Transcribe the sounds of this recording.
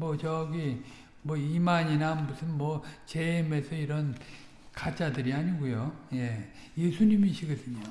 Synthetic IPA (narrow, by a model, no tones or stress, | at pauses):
mʌt͡ɕʌɡi | mwʌimaɲinamusʰɯnmwʌt͡ɕeime̞sʰʌiɾʌn | kat͡ɕ͈adɯɾiaɲiɡujoje̞ | jesʰuɲimiɕʰiɡʌdɯɲo